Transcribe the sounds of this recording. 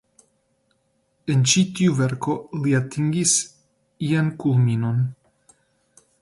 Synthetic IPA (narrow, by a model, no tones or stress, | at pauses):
e̞nt͡ʃit̪iuve̞ɾko̞liat̪iŋɡis | iankulmino̞n